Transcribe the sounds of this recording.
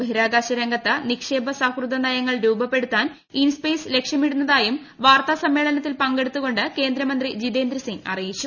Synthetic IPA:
bɐɦiɾaːɡaːɕɐɾɐŋɡɐt̪ːɐnikʂe̞ːbɐsaːkruðɐnɐjɐŋːɐɭɾuːbɐpːe̞ɽut̪ːaːn | inspeːsle̞kʂjɐmeɽunːɐðaːjum | ʋaːrt̪asɐmːe̞ːɭɐnɐt̪ːilpɐŋɡe̞ɽut̪ːuɣo̞ɳɖɨke̞ːnd̪ɾɐmɐnd̪rid͡ʑid̪e̞ːnd̪ɾɐsiŋɡɐ̰rijit͡ɕːu

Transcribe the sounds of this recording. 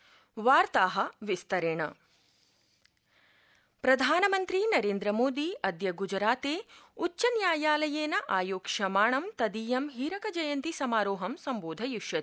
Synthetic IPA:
ʋaːɾt̪aːɦɐ̆ʋist̪ɐɾeːɳɐ̰ | pɾɐd̪ʱaːnɐmɐnt̪ɾinɐɾeːnd̪ɾɐmoːd̪iːʔɐd̪jɐɡud͡ʒɾaːt̪eːuːʃɐnjaːjaːlɐjeːnɐʔaːjoːkʂɐmaːɳɐmt̪ɐd̪iːjɐmɦiːɾɐkɐd͡ʒɐjɐnt̪isɐmaːɾoːɦɐmsɐmboːd̪ʱɐjuʂjɐ

